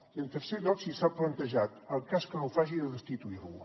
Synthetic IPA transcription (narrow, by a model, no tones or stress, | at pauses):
əlt̪əɾseʎɔksisaplənt̪əʒat̪əlˠkaskənowfaʒiðəðəst̪it̪uiɾṵ